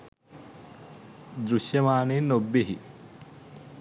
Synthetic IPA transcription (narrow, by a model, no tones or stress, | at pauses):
d̪ɾuʃjɐmaːnenobːeɦi